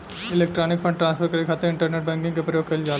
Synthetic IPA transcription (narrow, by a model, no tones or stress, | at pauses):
ɪleːk̚ʈɾaːnɪk̚pʰɐ̃ɳɖʈɾaːnspʰɐɾkɐɽɭikʰaːt̪eɾɪ̃ɳʈɐɾneːʈ̚bɛ̃ːŋkɪ̃ŋkepɾɐjoːɡ̚keld͡ʒaːl